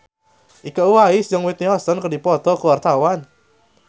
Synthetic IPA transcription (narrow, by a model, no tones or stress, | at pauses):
ʔikauwaisjaŋwit̪niɦɔsɔnkədipɔt̪ɔkəwart̪awan